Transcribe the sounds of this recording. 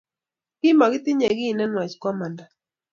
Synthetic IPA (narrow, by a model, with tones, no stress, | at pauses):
kɪ˦ma˨ɡɪ˦t̪ɪ˦ɲɛ˨ɡɪ˦˨nɛ˦nwa˨t͡ʃkwa˦ma˨nda˨